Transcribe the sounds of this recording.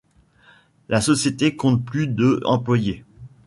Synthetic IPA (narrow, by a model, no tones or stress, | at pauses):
lasɔsjet̪ekɔ̃t̪plyd̪øɑ̃plwaje